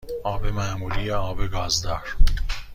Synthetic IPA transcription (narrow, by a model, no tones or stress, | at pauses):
ɒːbemæːmuːliːjeɒːbeɡɒːzd̪ɒːɾ